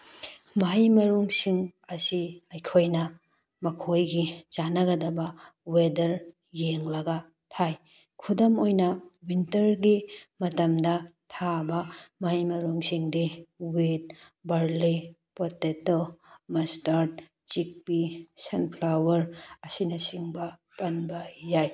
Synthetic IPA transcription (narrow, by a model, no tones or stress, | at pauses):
maɦajmɐɾuŋsiŋɐsiɐjkʰojnɐ | mɐkʰojɡit͡ʃanɐɡɐdɐbɐwedɐɾ | jeŋlɐɡɐ | tʰaj | kʰudɐmojnɐwintɐɾɡimɐtɐmdɐtʰabɐmajmɐɾuŋsiŋdiwit̚bɐɾli | potetomɐstaɾt̚ | t͡ʃik̚pisɐnpʰlawɐɾɐsinɐsiŋbɐ | pɐnbɐjaj